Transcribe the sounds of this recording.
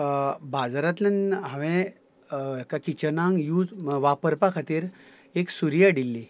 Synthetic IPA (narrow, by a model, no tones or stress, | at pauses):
bad͡zɾat̪nənɦãʋɛ̃ | kakit͡ɕənãŋɡjuʋapəɾpakʰat̪iːɾ | eksuɾijaɖilːi